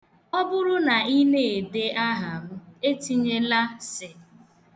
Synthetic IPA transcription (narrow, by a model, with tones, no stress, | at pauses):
ɔ˦bʊ˦ɾʊ˦na˨i˦ne˦˨e˨de˦ʔa˦ɦa˨mʊ˦e˦ti˦ɲe˦la˦sɪ˨